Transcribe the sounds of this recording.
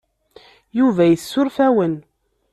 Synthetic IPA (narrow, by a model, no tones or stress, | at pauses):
juvæjəsːʊɾfæwən